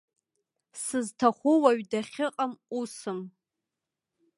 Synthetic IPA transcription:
sɨztʰaχʷʊwaɥdaχʲɪqʼamusɨm

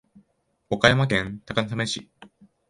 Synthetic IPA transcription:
o̞kajamakẽ̞nt̪akanasameɕḭ

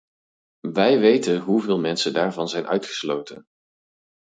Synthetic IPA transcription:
ʋɛjʋejtənɦuvɪːlˠmɛnsədaːɹvɑnzɛjnʔœ̰ɥtχə̥slowtə̰n

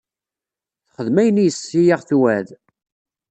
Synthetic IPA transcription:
θχəðmæjənijəsːijaʁθwæð

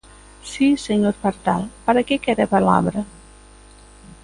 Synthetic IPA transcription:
sisəɲoɾpaɾt̪alˠpaɾakekɛɾəpala̰βɾə

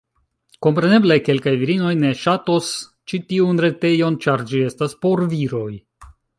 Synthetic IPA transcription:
ko̞mpɾe̞ne̞ble̞ke̞lkajviɾino̞jne̞ʃato̞s | t͡ʃitiunɾe̞te̞jo̞nt͡ʃaɾd͡ʒie̞staspo̞ɾviɾo̞j

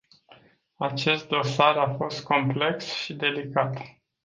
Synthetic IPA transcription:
at͡ʃe̞st̪̚d̪o̞saɾafo̞st̪̚kʰo̞mple̞ksʃid̪e̞likat̪

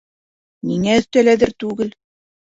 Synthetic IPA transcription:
niŋæɵ̆st̪ælæðɘɾt̪ʉɡɘl

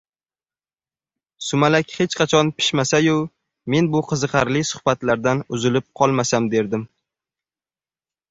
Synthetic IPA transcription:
sʊmalakʲhe̞t͡ʃqʰɑt͡ʃʰɒnpʰɪ̥ʃmasajʊ | me̞nbʊqʰɨzɨqʰɑɾlɪsʊ̥hbat̪laɾd̪anʊzɪlɪp̚qʰɒlˠmasamd̪e̞ɾd̪ɪm

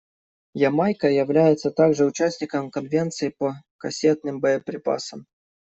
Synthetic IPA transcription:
jɐmajkəjɪvlʲæjɪt̪sət̪aɡʐɨʊt͡ɕæsʲnʲɪkəmkɐnvʲe̞nt̪sɨɪpəkɐsʲe̞t̪̚nɨmbəjəpɾʲɪpa̰səm

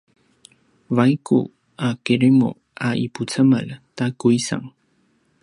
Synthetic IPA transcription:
vajkṵ | akeɾemo̰ | aʔipʊt͡samalt̪akʊjsa̰ŋ

